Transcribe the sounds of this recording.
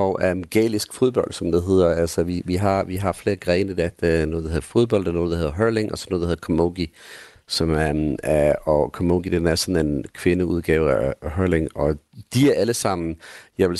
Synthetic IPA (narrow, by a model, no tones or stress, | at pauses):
ɒʊʔæmɡ̥ɛ̰ːlisɡ̥fo̝ð̞ˠb̥ɒ̽l̰d̥sɒ̽md̥eɦe̝ð̞̰ˠɐælsəʋiʋiɦɑ̈ʋiɦɑ̈fle̝ːɐɡ̥ʁɛːnəd̥æd̥enoːðˠd̥ehe̝ðˠɐfo̝ð̞ˠb̥ɒ̽l̰d̥ɑnoːð̩ˠd̥he̝ðˠɐɦɜɐle̝ŋɒ̽sɒ̽noːðˠd̥ehe̝ɐkʰɒmoɡ̥i | sɒ̽m | ɒkʰɒmoɡ̥id̥enæɐsɒ̽nenkʰʋe̝nəuð̞ˠɡ̥ɛ̰ːʊæɦɜɐleŋɒ̽d̥iæɐʔæləsɑ̈m̰n̩jɑ̈ɪʋel